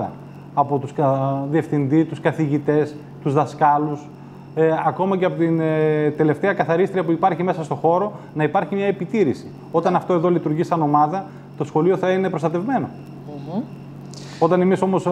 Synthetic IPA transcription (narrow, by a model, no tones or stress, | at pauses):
ɐ̰ | ɐpo̞t̪uskɐðie̞fθind̪it̪uskɐθiʝit̪e̞s | t̪uzðɐskɐlus | ɐko̞mɐceɐpot̪int̪e̞le̞ft̪eɐkɐθɐɾist̪ɾiɐpuipɐɾçime̞sɐst̪o̞xo̞ɾo̞ | nɐipɐɾçimɲɐe̞pit̪iɾisi̥ | o̞t̪ɐnɐft̪o̞e̞ðo̞lit̪uɾʝisɐno̞mɐðɐ | t̪o̞sxo̞lio̞θɐine̞pɾost̪ɐt̪e̞vme̞no̞̰ | o̞t̪ɐne̞miso̞mo̞s